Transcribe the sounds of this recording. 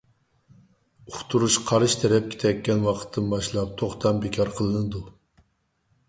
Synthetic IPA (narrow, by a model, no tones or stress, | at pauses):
uχt̪ʰuɾuʃqʰɑɾɨʃt̪ʰɛɾɛp̚kʲʰe̥t̪ʰɛkʲːɛnwɑqʰə̥t̪ʰːɨnbɑʃlˠɑp̚t̪ʰoχt̪ʰɑmbekʲʰɑɾqʰəlˠɨnɨd̪u